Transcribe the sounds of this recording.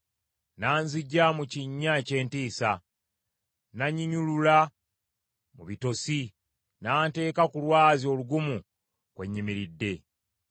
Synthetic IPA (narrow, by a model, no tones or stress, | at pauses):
naːnziɟːamuciɲːaece̞ːntiːsa | naɲiɲulula | muβito̞si | naːnte̞ːkakulwaːzio̞ːluɡumu | kwe̞ɲːimiɾidːe̞